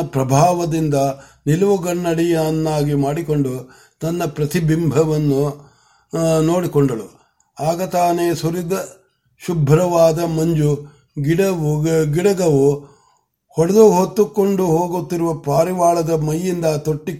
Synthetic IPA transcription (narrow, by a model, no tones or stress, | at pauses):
ɐpɾɐbʱaːʋɐd̪ind̪ɐnilɐʋuɡɐɳːɐɽijɐnːaːɡimaːɽiko̞ɳɖu | t̪ɐnːɐpɾɐt̪ibimbʱɐʋɐnːu | no̞ːɽikoɳɖɐɭu | aːɡɐt̪aːneːsuɾid̪ɐ | ʃubʱɾɐʋaːd̪ɐmɐɲd͡ʒu | ɡiɽɐʋɡiɽɐɡɐʋu | hɔɽɐd̪uɦot̪ːukːoɳɖuɦoːɡut̪ːiɾuʋɐpaːɾiʋaːɭɐd̪ɐmɐjːind̪ɐt̪oʈːi